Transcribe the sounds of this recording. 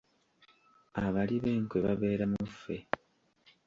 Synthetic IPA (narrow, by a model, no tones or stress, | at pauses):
aβaliβe̞ːŋkweβaβe̞ːɾamuufːe̞